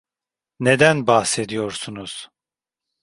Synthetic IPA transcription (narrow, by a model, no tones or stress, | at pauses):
ned̪ænbahse̞d̪ijoɾsunuz̥